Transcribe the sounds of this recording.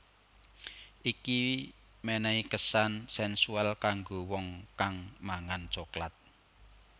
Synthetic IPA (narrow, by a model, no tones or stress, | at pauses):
ʔiki | mɛnɛikəsansɛnsuɛlkaŋɡowɔŋkaŋmaŋant͡ʃoklat̪̚